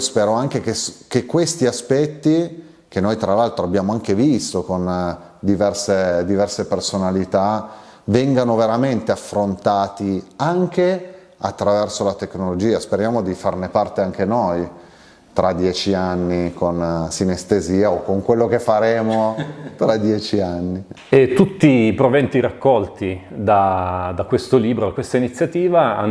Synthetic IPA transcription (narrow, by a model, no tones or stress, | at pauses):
spɛːɾoaŋk̟ekeskekːwest̪iaspɛt̪ːi | k̟enːojt̪ɾalalt̪ɾoabːjaːmoaŋkevist̪okon | d̪ivɛrsed̪ivɛrsepersonalit̪a | vɛŋɡanoveɾament̪eafɾont̪aːt̪iaŋke | a̰t̪ːɾavɛrsolat̪eknolod͡ʒiːaspeɾjaːmod̪ifarnepart̪eaŋk̟enoj | t̪ɾad̪ːjɛːt͡ʃianːikonsinest̪eziːaokːoŋkwelːokefːaɾeːmot̪ɾad̪jɛːt͡ʃianːi | et̪ːut̪ːipɾovɛnt̪iɾakːɔlt̪id̪ad̪akwest̪oliːbɾod̪akːwest̪ainit̪sːjat̪iːvaa̰